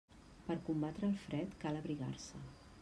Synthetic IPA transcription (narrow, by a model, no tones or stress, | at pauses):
pəɾkumbat̪ɾəːlˠfɾɛt̪kaləβɾiɣa̰rsə